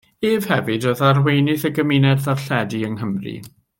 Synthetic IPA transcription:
eːv̥hɛvɨdoðarwejnɨθəɡəmɪnɛdðarɬɛdiəŋɦəmrḭ

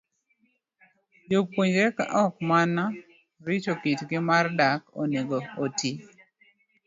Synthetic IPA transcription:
jok̚poɲd͡ʒɛka̰ʔɔkmana | ɾit͡ʃokitɡɪmardako̰neɡootʰi

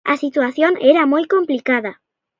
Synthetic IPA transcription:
a̰sit̪waθjoŋeɾamojkomplikaða

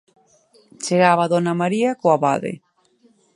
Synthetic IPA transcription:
t͡ʃeɣaβaðɔnamaɾiakoaβa̰ðḛ

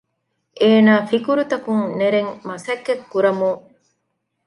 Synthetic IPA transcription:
ʔeːnaːfikuɾut̪ɐkuŋneɾeŋmɐsekːekːuɾɐmu

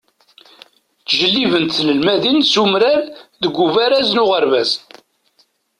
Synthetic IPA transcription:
t͡sʒəlːivənt̪θləlmæðinsumɾaɾðəɡʷːuvæɾæznʊʁəɾvæz

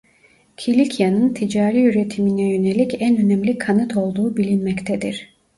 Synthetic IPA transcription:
cʰilʲicʰijanɯnt̪ʰid͡ʒaːɾiyɾe̞t̪ʰiminɛjø̞nelʲicænø̞nɛmlʲikʰːanɯt̪ʰo̞lˠd̪uːbilʲinmɛct̪ʰɛd̪ḭɾ̥

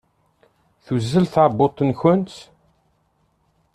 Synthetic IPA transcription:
θuzːəlθaʕbːot̪ˤːənçʊnt͡s

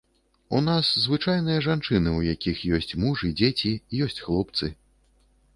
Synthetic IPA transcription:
un̪aszvɨt͡ʂajnɨjɐʐant͡ʂɨnɨwjakʲixjɔsʲt͡sʲmuʐɨd͡zʲet͡sʲiːjɔsʲt͡sʲxlˠɔp̚t̪sɨ

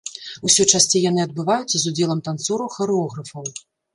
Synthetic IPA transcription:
usʲɔt͡ʂasʲt͡sʲɛjanɨɐd̪̚bɨvajut͡sʲzud͡zʲɛlˠɐmt̪ant̪suɾuxɐɾɛɔɣɾɐfɐw

